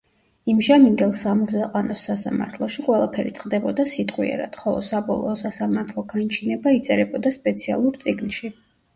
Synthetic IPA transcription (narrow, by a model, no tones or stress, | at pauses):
imʒamind̪ɛlˠsamuzaqʼanɔsːasa̰ma̰ɾt̪ʰlˠɔʃiqʼwɛlˠapʰɛɾḭt̪sʼqʼd̪ɛbɔd̪asit̪ʼqʼwḭɛ̰ɾa̰d̪̥χɔlˠɔ̰sabɔlˠɔːsasamaɾt̪ʰlˠɔɡant͡ʃʰinɛbait̪sʼɛɾɛbɔd̪aspʼɛt̪sʰia̰lˠuɾt̪sʼiɡnʃi